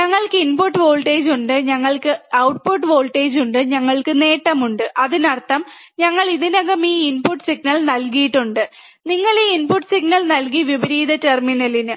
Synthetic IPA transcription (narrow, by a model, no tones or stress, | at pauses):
ɲɐŋːɐɭkɨinpuʈːɨʋo̞ːɭʈeːd͡ʑuɳɖɨɲɐŋːɐɭkɨɐwʈ̚puʈːʋo̞ːlʈːeːd͡ʑuɳɖɨɲɐŋːɐɭkɨne̞ːʈːɐmuɳɖɨʔɐðinɐrt̪ːɐm | ɲɐŋːɐɭiðinɐɣɐmiːinpuʈːsiɡnɐɭnɐlkijiʈːuɳɖɨ | niŋːɐɭeinpuʈːsiɡ̚nɐɭnɐlk̬iʋibɐɾiːd̪ɐterminɐlinɨ